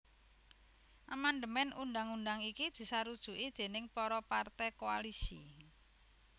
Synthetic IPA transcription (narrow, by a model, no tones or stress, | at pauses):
ʔamand̪əmɛnunɖ̪aŋunɖ̪aŋikid̪̥i̤saɾud̥ʒ̥ṳʔid̪̥e̤nɪŋpɔɾɔpart̪ɛkoalisi